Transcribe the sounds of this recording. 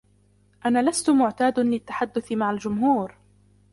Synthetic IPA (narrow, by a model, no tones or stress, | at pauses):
ʔanaːlast̪ʊmʊʕt̪aːd̪lɪt̪ːḁħad̪ːʊθɪmaʕald͡ʒʊmɦuːɾ